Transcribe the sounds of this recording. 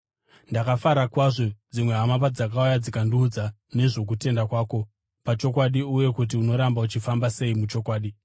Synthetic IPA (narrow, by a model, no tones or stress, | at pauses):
ndakafaɾakwaʐo̞d͡zimweɦamap̬ad͡zakaujad͡zikanduːd͡za | ne̞ʐo̞k̬ute̞ndakwaːko̞ | pat͡ʃo̞kwaɗiuje̞kut̬iuno̞ɾambaut͡ʃifambase̞imut͡ʃo̞kwaːɗi